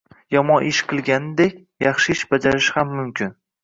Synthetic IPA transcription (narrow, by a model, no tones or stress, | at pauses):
jɒmɒnʔɪʃqʰɨlˠɡʲanɪd̪ekʲ | jɑχʃɪɪʃb̥ad͡ʒaɾɪʃhamːʊmkʲʰɪn